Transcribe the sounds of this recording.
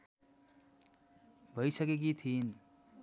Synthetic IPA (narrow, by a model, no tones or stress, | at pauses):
bʱʌjsʌkek̬it̪ʰin